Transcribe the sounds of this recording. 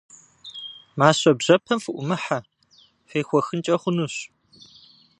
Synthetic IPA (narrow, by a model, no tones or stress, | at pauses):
maːɕɐbʑɐpʰɐmfɨʔʷʊmɨħa | fʷiːxʷɔxɨnt͡ʃʼɐχʷʊnuːɕ